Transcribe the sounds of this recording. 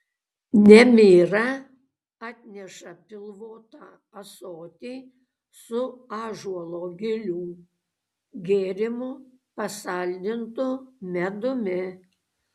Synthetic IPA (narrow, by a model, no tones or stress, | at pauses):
nʲɛmʲiːɾɐ | ɑːt̪ʲnʲɛʃɐpʲɪlˠʋoːt̪ɑː | ɐsoːt̪ʲiː | sʊɑːʒuɔlˠoːɡʲɪlʲuː | ɡʲeːɾʲɪmʊ | pɐsɑlʲd̪ʲɪnt̪ʊmʲɛd̪ʊmʲɪ